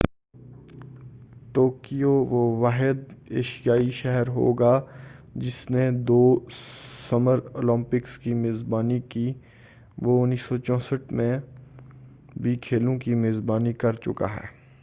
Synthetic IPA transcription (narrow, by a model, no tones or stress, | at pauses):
ʈoːkijoʋoʋaːɦɪd̪̚eːʃijaːiʃɛɦɛɾɦo̰ːɡad͡ʒɪsned̪oː | sɐməɾoːlə̃mpɪkskimeːzbaːnikiː | ʋoʊnːiːsɔt͡ʃɔ̃ːsəʈmẽ | bʱikʰeːlõkimeːzbaːnikɐɾt͡ʃʊka̰ɦɛ̰ː